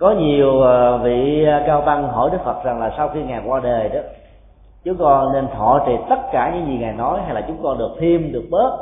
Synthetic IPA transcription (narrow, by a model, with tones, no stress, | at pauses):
kɔ˨˦ɲi˨˩əwa˨˩vḭ˧˨˧kaː˧wt̪ə˧ŋɦɔ̰˧˩jɗɨ˦˥k̚fə˨˩t̚za˨˩ŋlaː˨˩sa˧wxi˧ŋaː˨˩jkwaː˧ɗə˨˩jɗə˨˦ | t͡ɕʊ˨˦ŋ͡mkɔ˧nːe˧nt̪ʰwɔ˧˨t͡ɕḭ˧˨t̪ə˦˥t̚kaː˧˩ɲɨ̰˧˥ŋzi˨˩ŋaː˨˩jnɔ˨˦jhɦa˧jlaː˨˩t͡ɕʊ˨˦ŋ͡mkɔ˧nɗɨ˨˩ək̚t̪ʰi˧mɗɨ˨˩ək̚ɓəː˦˥t̚